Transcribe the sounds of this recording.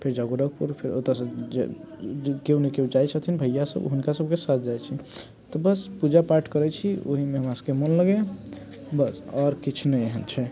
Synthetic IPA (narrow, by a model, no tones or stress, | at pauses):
pʰeɾd͡ʒaɡuɾək̚puɾpʰeɾo̰t̪asəd͡ʒ̰ | keunekeũd͡ʒajt͡ʃʰət̪ʰinbʱəjjasə̰bɦunkasəb̚kesat̪ʰd͡ʒajt͡ʃʰi | t̪ɔbəspud͡ʒapaɾʈkəɾɛt͡ʃʰio̰ɦimeɦəmaskemənləɡe | bəsɔɾkit͡ʃʰnɛeɦənt͡ʃʰɛ